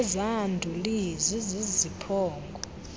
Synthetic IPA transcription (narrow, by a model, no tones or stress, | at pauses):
zandʱulizizizipʰɔːŋɡʱɔ